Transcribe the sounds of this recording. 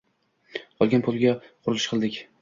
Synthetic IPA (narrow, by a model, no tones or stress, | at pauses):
qɒlˠɡʲanpʰʊlˠɡʲaqʰʊɾɪlˠɪʃqʰɨlˠd̪ɪkʲ